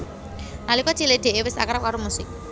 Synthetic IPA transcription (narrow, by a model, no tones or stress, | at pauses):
lalikɔt͡ʃileɖ̪̥e̤ʔewɪsa̰kɾap̚kaɾomusɪk̚